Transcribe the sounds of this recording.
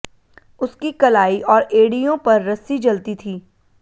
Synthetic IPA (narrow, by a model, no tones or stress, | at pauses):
ʊskikɐlaːiʔɔːɾeːɽijõpɐɾːɐsid͡ʒɐlt̪it̪ʰiː